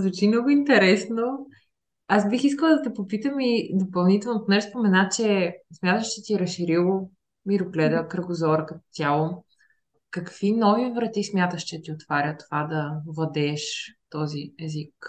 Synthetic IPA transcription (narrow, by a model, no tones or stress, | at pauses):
zɐt͡ʃimnɔɡʊint̪ɛɾɛsno | asbixiskəlˠd̪ɐt̪ɛpopit̪əmid̪opɐlˠnit̪ɛlˠnot̪ʊnɛspomɛnat͡ʃɛsmʲjat̪əʃt͡ʃɛt̪iɛɾɐsʃːiɾilˠo | miɾʊklɛd̪əkɾəɡʊzɔɾəkɐt̪ɔ̥t̪ʲjalˠo | kɐkv̥inɔvivɾɐt̪ismʲjat̪əʃt͡ʃɛt̪iot̪vaɾʲjət̪ːo̥vad̪ɐvlˠɐd̪ɛːʃt̪ɔziɛzik